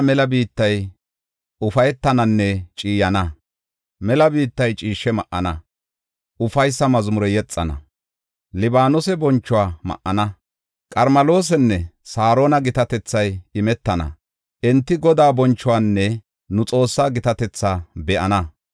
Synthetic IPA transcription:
mɛlɐbiːt̪ːɐj | ʊfɐjɛt̪ːɐnɐnːɛt͡ʃʼiːjɐnɐ | mɛlɐbiːt̪ːɐjt͡ʃʼiːʃːɛmɐʔːɐnɐ | ʊfɐjsːɐmɐzmʊɾɛjɛt͡sʼːɐnɐ̰ | lɪbaːnʊsɛbɔnt͡ʃːʊwaːmɐ̰ʔːɐnɐ | kʼɐɾmɐlo̞ːs̬ɛnːɛsaːɾo̞ːnɐɡɪt̪ɐt̪ɛt͡sːɐjɪmɛt̪ːɐnɐ̰ | ʔɛnt̪ːɪɡɔd̪aːbɔnt͡ʃːʊwaːnːɛ | nʊt͡sʼo̞ːsːaːɡɪt̪ɐt̪ɛt͡sːaːbɛʔɐnɐ

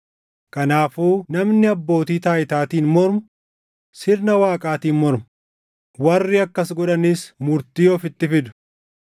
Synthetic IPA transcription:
kʼɐnaːfuːnɐmnɪɐbːo̞ːt̪iːt̪aːjɪt̪aːt̪iːnmɔɾmʊ | sɪɾnɐwaːkʼaːt̪iːnmɔɾmʊ | wɐrːɪɐkːɐsɡɔᶑɐniːsmʊɾt̪iːjoːfɪt̪ːɪfɪd̪ʊ̥

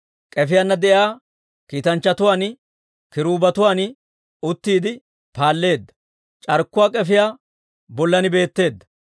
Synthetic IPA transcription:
kʼɛfɪjanːɐd̪ɛʔaː | kiːt̪ɐnt͡ʃːɐt̪ʊwaːn | kɪɾuːbɐt̪ʊwaːn | ʊt̪ːiːd̪ɪ | paːlːe̞ːd̪ːɐ̥ | t͡ʃʼɐɾkːʊwaːkʼɛfɪjaː | bɔlːɐnɪbe̞ːt̪ːe̞ːd̪ːɐ̥

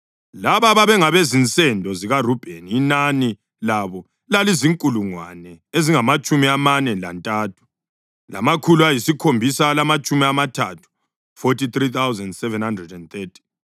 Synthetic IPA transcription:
laβaβaβɛŋaβezint͡sʼɛndʱɔziɣarub̥ʱeniːnani | laβɔ | laliziŋkʼuluŋwa̰nɛeziŋamat͡ʃʼumiamanɛla̰ntʼaːtʰu̥ | la̰makʰuluajisikʰombʱisalamat͡ʃʼumiamatʰatʰu̥ | fotit̪rit̪ʰawzɛndsɛvɛnhandrɛdɛnt̪ɛtʰi̥

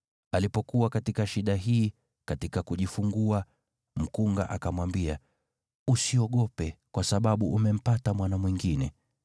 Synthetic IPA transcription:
alipɔkuwakatikaʃiɗaɦiː | katikakuʄifuŋɡua | m̩kuŋɡa̰ʔakamwambia | usiɔɠɔpɛkwasaɓaɓuʔumɛm̩patamwanamwiŋɡinɛ

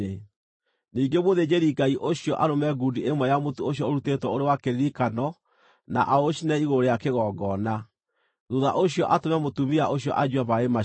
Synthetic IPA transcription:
e | niːŋɡemoðed͡ʑeɾiɡaiʔoɕiɔʔaɾomɛɡudiemwɔjamotuoɕjɔoɾutetwɔoɾewakeɾiɾikanɔ | na̰ʔaoʃinɛiɣoɾejakeɣɔːɡɔna | ðuða̰ʔoɕiɔʔatomɛmotumiaʔoɕ̬iɔ̰ʔad͡ʑwaβaema

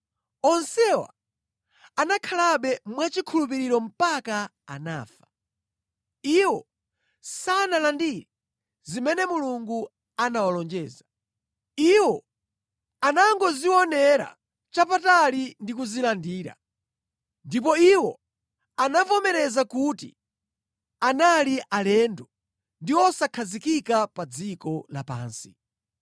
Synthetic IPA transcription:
ɔnsɛwa̰ | anakʰalaɓɛmwat͡ʃikʰulup̬iɾiɾɔm̩paka | a̰na̰ːfḁ | iwɔ | sanalandiɾɛ | zimɛnɛmuluŋɡu | anawalɔnd͡ʒɛːza | iwɔ | anaŋɡɔziwɔnɛɾa̰ | t͡ʃapatalindikuzilandiːɾa̰ | ndipɔiwɔ | anavɔmɛɾɛzakuːtḭ | analiʔalɛːndɔ | ndiwɔsakʰazikikapad͡zikɔla̰pa̰ːnsi̥

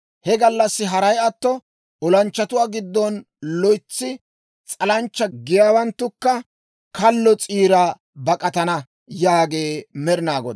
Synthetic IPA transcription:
hɛɡɐlːɐsːɪɦɐɾɐjɐt̪ːɔ | ɔlɐnt͡ʃːɐt̪ʊwaːɡɪd̪ːɔn | lɔjt͡sːɪ | t͡sʼɐlɐnt͡ʃːɐɡɪjaːwɐnt̪ːʊkːɐ | kɐlːɔt͡sʼiːɾa | bɐkʼɐt̪ɐnɐ | jaːɡe̞ːmɛɾɪnaːɡɔd̪

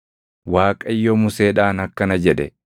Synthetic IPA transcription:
waːkʼɐɪjːomʊseːᶑaːnɐkːɐnɐd͡ʒɛᶑɛ

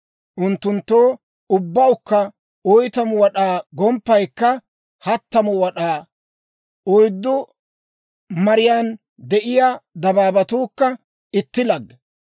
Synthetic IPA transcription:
ʔʊnt̪ːʊnt̪ːoː | ʊbːɐwkːɐ | ɔjt̪ɐmʊwɐɗaːɡɔmpːɐjkːɐ | hɐt̪ːɐmʊwɐɗaː | ɔjd̪ːɔ | mɐɾɪjaːn | d̪ɛʔɪjaːd̪ɐbaːbɐt̪uːkːɐ | ɪt̪ːɪlɐɡːɛ

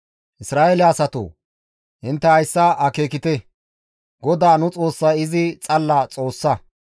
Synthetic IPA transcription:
ʔɪsɾaːʔelɪɐsɐt̪o̰ː | ʔɪnt̪ːɛhɐjsːɐʔɐke̞ːkɪt̪ɛ | ɡɔd̪aːnʊt͡sʼo̞ːsːɐjɪzɪt͡sʼɐlːɐt͡sʼo̞ːsːɐ

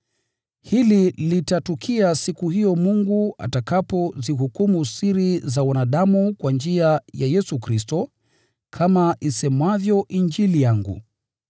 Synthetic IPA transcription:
hililitatukʰiasikuhijɔmuŋɡua̰takapɔzihukumusiɾizawanaɗamukwand͡ʒiajajɛsukɾistɔ | kʰamaʔisɛmwavjɔʔind͡ʒilijaŋɡṵ

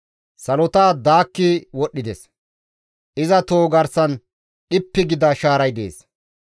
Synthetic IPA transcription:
sɐlɔt̪aːd̪aːkːɪwɔɗːɪd̪ɛs | ʔɪzɐt̪oːɡɐɾsɐn | ɗɪpːɪɡɪd̪ɐʃaːɾɐjd̪ḛːs

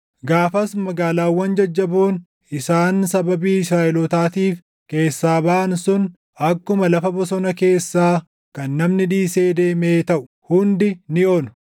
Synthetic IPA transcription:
ɡaːfɐsmɐɡaːlaːwːɐnd͡ʒɐd͡ʒːɐboːn | ɪsaːnsɐbɐbiːɪsɾaːʔɪlɔt̪aːt̪iːf | ke̞ːsːaːbɐʔɐnsʊn | ʔɐkːʊmɐlɐfɐbɔsɔnɐke̞ːsːaː | kɐnːɐmnɪᶑiːse̞ːd̪e̞ːme̞ːt̪ɐʔʊ̥ | hʊnd̪ɪnɪoːnʊ̥

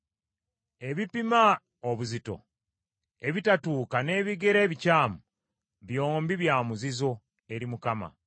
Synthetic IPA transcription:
e̞βipima | oβuzito̞̰ | e̞βitatuːkane̞ːβiɡe̞ɾeːβicaːmu | βjo̞ːmbiβjaːmuzizo̞ | e̞ɾimukama̰

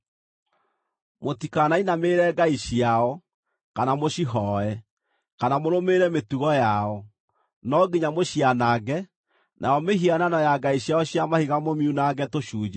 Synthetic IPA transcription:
motikanainameːɾɛːɡaiɕiaɔ | kanamoɕiɦɔɛ | kanamoɾomeɾɛmetuɣɔjaɔ | nɔɡiɲamoɕianaːɡɛ | nʔaɔmeɦiananɔjaɡaiɕjaɔɕjamahiɣamomiunaɡɛtoʃuːd͡ʒa

